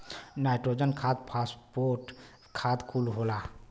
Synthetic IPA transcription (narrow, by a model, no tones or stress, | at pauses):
najʈɾod͡ʒənkʰat̪̚pʰaspoɾʈ | kʰat̪kʰulɦola